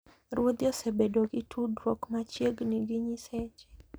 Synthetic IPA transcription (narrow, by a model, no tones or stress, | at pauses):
rwod̪jɔsebedoɡɪtʰudɾokmat͡ʃjeɡniɡiɲisɛt͡ʃɛ̥